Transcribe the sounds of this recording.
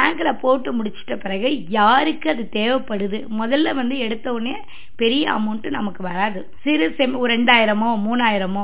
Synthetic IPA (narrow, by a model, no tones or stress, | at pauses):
baːŋɡɯlɐpoːʈːɯmʊɽɪt͡ʃːɯ̥ʈːɐpɪɾɐɣɯjaːɾɯkːɯɐðɯt̪eːʋɛpːɐɽɯðɯmɔðɐlːɐʋɐnd̪ɯɛɽɯt̪ːɐʋʊɳːeɐ | pɛɾɪjɐɐ̰mʊɳʈːɯnɐmɐkːɯʋɐɾaːðɯ | sɪɾɯsɛmɛɳɖaːjɪɾɐmõmuːnːaːjɪɾɐmʊ̃